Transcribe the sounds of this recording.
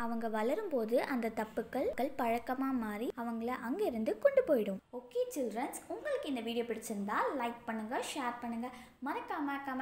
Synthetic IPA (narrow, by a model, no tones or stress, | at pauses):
ɐʋɐŋɡɐʋɐlɐɾɯmpoːðɯʔɐnd̪ɐt̪ɐpːɯkːɐɭkːɐɭpɐɻɐkːɐmaːmaːɾiɐʋɐŋɡɐɭɐʔɐŋɡeɪɾɯnd̪ɯkɔɳɖɯpoːjɪɽɯmoːkːeːt͡ʃɪldɾɐnsʊŋɡɐɭɯkːɯɪnd̪ɐʋiːɽɪjoːpɪɽɪt͡ʃːɯnd̪aːlːɐɪk̚pɐɳːɯŋɡɐʂaːɾpɐɳːɯŋɡɐ | mɐnɐkːaːmɐkːaːmɐ